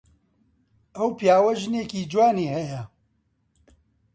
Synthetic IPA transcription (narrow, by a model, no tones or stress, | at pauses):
ɐwpijaːwɐʒɨneːkiːd͡ʒwaːniːhɐjɐ